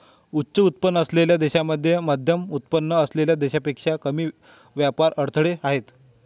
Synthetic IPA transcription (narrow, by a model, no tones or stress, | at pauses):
utːɕəut̪̚pənːəsleljad̪eɕaməd̪ʱːjemad̪ʱjəmut̪̚pənːəəsleljad̪eɕapekʂakəmiː | ʋjapaɾəɽt̪ʰɭeaɦet̪